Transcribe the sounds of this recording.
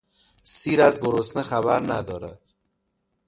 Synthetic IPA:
siːɾæzboɾosnexæbæ̰ɾnæ̰d̪ɒːɾæ̰d̪̥

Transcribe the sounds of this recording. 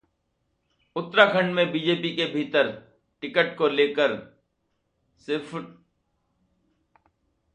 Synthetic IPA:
ʊt̪ɾakʰə̃ɳɖmẽbiːd͡ʒeːpikebʱiːt̪əɾ | ʈɪkəʈkoleːkəɾ | sɪpʰ

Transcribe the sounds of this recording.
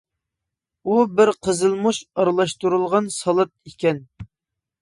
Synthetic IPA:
ubɪɾqʰəzɨlˠmuʃɑɾlˠɑʃt̪uɾulˠʁɑnsɑlˠɑt̪̚ikʲɛn

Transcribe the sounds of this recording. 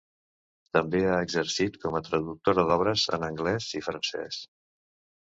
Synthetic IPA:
t̪əmbeaəɡzəɾsit̪kɔmət̪ɾəðuk̚t̪oɾəðɔβ̞ɾəzə̰nəŋɡlɛzifɾənsɛ̰s

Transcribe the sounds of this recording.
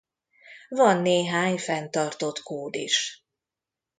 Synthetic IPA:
vɒnːeːɦaːɲfɛnt̪ɒrt̪o̞t̪koːd̪ḭʃ

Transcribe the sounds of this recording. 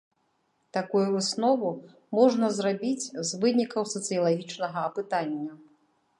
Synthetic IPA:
t̪akujuvɨsnɔvu | mɔʐnɐzrabʲit͡sʲzvɨnʲikɐwsɐt̪sɨjɐlˠaɣʲit͡ʂnɐɣɐːpɨt̪anʲːɐ

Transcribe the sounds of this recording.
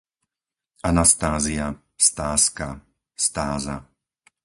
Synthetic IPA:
anast̪aːzia | st̪aːska | st̪aːza̰

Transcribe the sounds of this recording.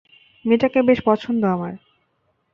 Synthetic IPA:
meʈakebeʃpɔt͡ɕʰond̪oamaɾ

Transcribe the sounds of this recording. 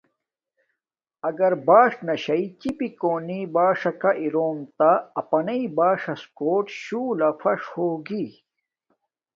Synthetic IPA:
ɐɡɐɾbaːʂnɐɕɐit͡ɕipikoːnibaːʂɐkaʔiɾoːmt̪aɐpɐnɐibaːʂɐskoːʈɕuːlɐfɐʂhoːɡi

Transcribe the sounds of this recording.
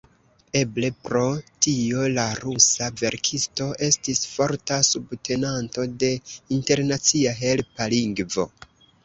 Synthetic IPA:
e̞ble̞pɾo̞tio̞laɾusave̞ɾkʰisto̞ʔe̞stisfo̞ɾtasubtʰe̞nanto̞de̞inte̞ɾnat͡siaɦe̞lpaliŋɡvo̞̰

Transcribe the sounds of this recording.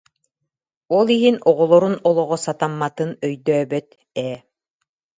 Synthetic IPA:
ɔlˠiɦinɔʁɔlˠɔɾunɔlˠɔʁɔsat̪amːat̪ɯnœjd̪œːbœt̪ | ɛː

